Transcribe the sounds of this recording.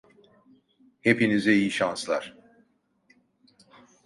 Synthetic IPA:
he̞pinizɛijiʃanslˠaɾ̥

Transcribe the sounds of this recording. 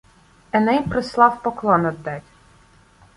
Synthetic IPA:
ɛnɛjpɾɔslˠɑwpɔklˠɔnɔd̪ːɛtʲ

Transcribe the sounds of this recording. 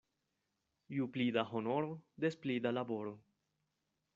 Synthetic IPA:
juplid̪aɦono̞ɾod̪esplid̪alabo̞ɾo

